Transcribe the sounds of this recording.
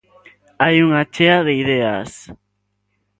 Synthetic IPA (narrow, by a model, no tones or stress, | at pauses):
ajuŋat͡ʃeaðeiðea̰s